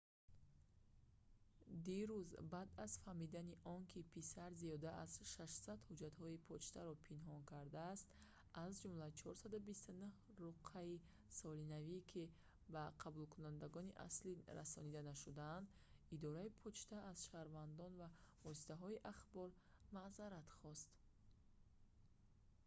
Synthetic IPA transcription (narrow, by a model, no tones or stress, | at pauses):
d̪iɾuzbad̪az̥fahmid̪aniʔɔnkʰipʰisaɾziɔd̪aʔaz̥ʃaʃsad̪hud͡ʒat̪hɔipʰɔt͡ʃt̪ʰaɾɔpʰinɦɔnkaɾd̪aːst̪ | azd͡ʒumlat͡ʃʰɔɾsad̪ubist̪unuh | ɾuqʰai | sɔlinavikʰi | baqʰabulkʰunand̪aɡɔniʔa̰sliɾa̰sɔnid̪anaʃud̪and̪ | id̪ɔɾaipʰɔt͡ʃt̪ʰaʔːzʃahɾvand̪ɔnvavɔsi̥t̪ʰaɦɔiʔaχbɔɾ | mazaɾat̪χɔst̪